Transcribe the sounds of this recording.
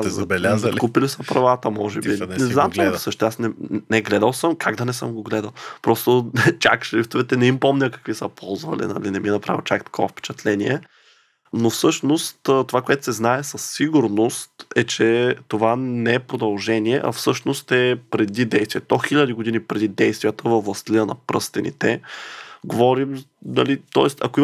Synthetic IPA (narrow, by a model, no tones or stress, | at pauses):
bɛlakupilisəpɾɐvat̪əmɔʒɛbinɛznamt͡ʃ̪ɛsɤʃt̪ɛasnɛnɛɡlɛd̪əlˠsəmkʰaɡd̪ɐnɛsɤ̰mɡoɡlɛd̪ɐlˠpɾɔst̪ot͡ʃʲa̰kʃlʲift̪ovɛt̪ɛnɛimpɔmnʲəkɐ̥kvisəpʰɔlˠzvɐ̰lḭnɐ̰linɛmiɛnɐpɾa̰vʲilˠt͡ʃakt̪ɐ̥kʰɔvɐfpɛ̥t͡ʃɛt̪lɛniɛ | nofsɤʃnost̪t̪ovakoɛt̪ʊ̥sɛznaɛsɐsːiɡʊɾnost̪ɛt͡ʃɛt̪ovanɛɛpɾod̪ɐlˠʒɛniɛ̰ʔɐ̰fsɤʃnost̪ɛpɾɛd̪id̪ɛjst̪vʲiɛt̪oxilʲəd̪iɡod̪inipɾɛd̪id̪ɛjst̪vijət̪əvəvlˠɐst̪liənɐ̰pɾɤst̪ɛnḭt̪ɛ | ɡovɔɾim | nɐlit̪ɔɛst̪ɐ̰koi